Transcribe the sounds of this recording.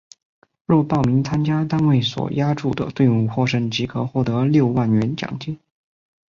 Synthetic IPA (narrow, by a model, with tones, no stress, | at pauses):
ɻɔ˥˧pɑ˥˩ʊmi˧˥ŋt͡sʰa˥nt͡ɕja˥t̪a˥nwe˥˩ɪswɔ̰˨˩ja˥ʈ͡ʂu˥˩d̪ə̰˩t̪we˥˧ɪu˥˧xwɔ˥˧ʂɤ˥ŋt͡ɕi˧˥kʰɤ˨˩xwɔ˥˩t̪ɤ˧˥ljo˥˧ʊwa˥˩nɥɛ˧˥nt͡ɕjɑ̰˨˩ŋt͡ɕi˥˦n